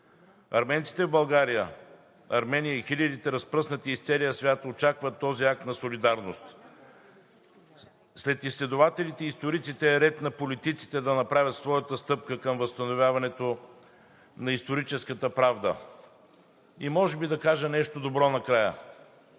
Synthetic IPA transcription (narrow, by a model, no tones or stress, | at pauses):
ɐɾmɛnt̪si̥t̪ɛvbɐlˠɡaɾijə | ɐɾmɛnʲijəixilʲəd̪it̪ɛɾɐspɾɤsnət̪iːst̪sɛlijəsvʲjat̪ot͡ʃakvət̪ːɔziak̚t̪nɐsolid̪aɾnost̪ | slɛt̪islɛd̪ʊvat̪ɛlit̪ɛist̪oɾit̪sit̪ɛːɾɛt̪nɐpolit̪it̪si̥t̪ɛd̪ɐnɐpɾavʲət̪svɔjət̪əst̪ɤp̚kəkəmvəst̪ɐnovʲjavɐnɛt̪o | nɐist̪oɾit͡ʃɛskət̪əpɾavd̪ə̰ | imɔʒɛbid̪ɐkaʒənɛʃt̪od̪obɾɔnɐkɾajə̰